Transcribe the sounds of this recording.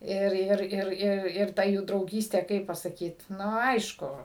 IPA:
ˈɪr ˈɪr ˈɪr ˈɪr ɪr ˈtɐ juː drɐʊˈɡʲiːsʲtʲeː ˈkɐɪp pɐsɐˈkʲiːt ˈnʊ ˈɐɪʃkʊ

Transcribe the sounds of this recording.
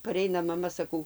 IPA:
pɐˈrʲɛɪnɐ mɐˈmɐ sɐˈkɐʊ

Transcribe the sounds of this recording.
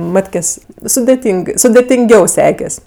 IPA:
ˈmɑːtʲkʲeːsʲ sʊdʲeːˈtʲiːŋk sʊdʲeːtʲɪŋʲˈɡʲɛʊ ˈsʲæːkʲɛsʲ

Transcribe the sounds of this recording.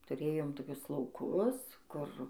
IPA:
tʊˈrʲeːjoːm toːˈkʲʊs lˠɐʊˈkʊs ˈkʊr

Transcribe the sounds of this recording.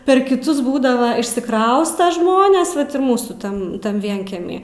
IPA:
pʲɛr kʲɪˈtʊs ˈbuːdɐʋɐ ɪʃʲsʲɪˈkrɐʊstɐ ˈʒmoːnʲeːs ˈʋɐt ɪr ˈmuːsuː ˈtɐn tɐn ˈʋʲiɛŋʲkʲiɛmʲiː

